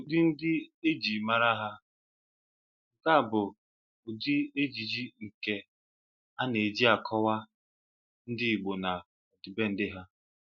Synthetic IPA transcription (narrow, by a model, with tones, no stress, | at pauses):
o˨di˦n̩˦dɪ˦e˦d͡ʒi˨ma˦ɾa˦ɦa˦ | ŋ̩˨ka˦˨bʊ˨ | o˨di˦e˦d͡ʒi˨d͡ʒi˦ŋ̩˨ke˨ | a˦ne˨d͡ʒi˦a˨kʰɔ˦wa˦ | n̩˦dɪ˦i˨ɡ͡bo˨na˨ | ɔ˨di˨be˦n̩˦dɪ˦ɦa˦